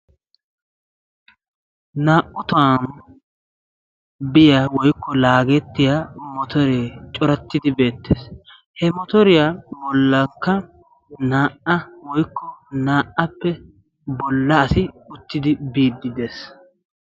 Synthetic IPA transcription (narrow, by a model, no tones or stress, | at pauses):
naːʔʊt̪an | bɪjawɔjkːɔlaːɡɛt̪ːɪjamɔt̪ɔɾeːt͡ʃʼɔɾɐt̪ːɪd̪ɪbe̞ːt̪ːeːs | hɛmɔt̪ɔɾɪjabɔlːɐŋkːɐ | naːʔɐwɔjkʰːɔnaːʔːɐpːɛ | bɔlːɐːsɪʊt̪ːɪd̪ɪbiːd̪ːɪd̪eːs